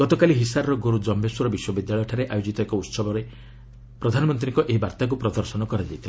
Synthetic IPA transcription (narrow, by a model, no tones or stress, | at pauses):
ɡ̥ɔt̪ɔkaliɦisaɾɾɔɡoɾud͡ʒɔmbeswɔɾɔbiswɔbid̪jaɭɔjɔʈʰaɾeʔajod͡ʒit̪ɔekɔut̪sɔbʱɔɾe | pɾɔd̪ʱanɔmɔnt̪ɾiŋkɔʔeɦibaɾt̪ak̬upɾɔd̪ɔɾsɔnɔkɔɾad͡ʒajt̪ʰil